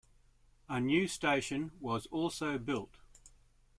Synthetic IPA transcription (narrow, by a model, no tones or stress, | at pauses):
ənjʉːsteɪʃə̃nwɒzɔˑlˠsəʊbɪlˠt